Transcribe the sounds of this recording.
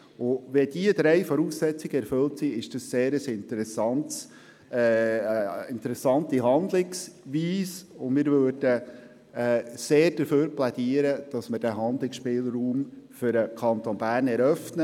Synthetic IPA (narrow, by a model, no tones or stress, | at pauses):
ʊʋɛdiəd̪ɾɛɪfɔɾuːsːɛt͡sɪiɡ̥əɛɾfʏltsiɪʃd̥ɑsːeːɾəsɪnt̪ɾɛsɑnts | ɪnt̪əɾɛsɑntiɦɑnd̪lɪksʋiːsʊmɪːɾvøːɾd̥ə | ɛːseːɾd̥əɾføːɾplɛdiːəɾəd̥ɑsməɾd̥æɦɑnd̪lɪksʃpɪːlruːmfʏɾəkʰɑnt̪onbæːrnɛɾœfnə